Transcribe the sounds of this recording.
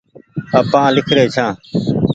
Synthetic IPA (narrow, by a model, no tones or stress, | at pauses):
əpãːlɪkʰɾeːt͡ʃʰãː